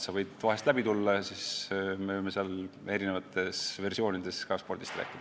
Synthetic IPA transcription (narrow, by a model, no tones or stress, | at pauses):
sɑvɤjd̪̥vɑɦest̪læbit̪ulːɑsisme̞vɯjmːe̞seɑle̞ɾinevɑt̪ːˑe̞sve̞rsio̞ːnid̪̥e̞skɑspo̞rd̪ist̪ræ̰ːkːˑid̥̪ɑ